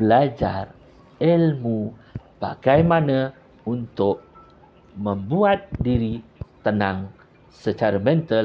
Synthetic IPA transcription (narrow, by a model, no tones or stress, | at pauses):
bəlad͡ʒar | ɛlmub̥a̰ɡajmanə | unt̪ʊk̚ | məmbuat̪̚diɾit̪ənãŋ | sət͡ʃaɾəmɛnt̪əl